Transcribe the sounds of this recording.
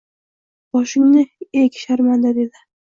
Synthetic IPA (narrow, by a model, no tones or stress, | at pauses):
b̥ɒʃɪŋnɪekʲʃaɾmand̪ad̪e̞d̪ɪ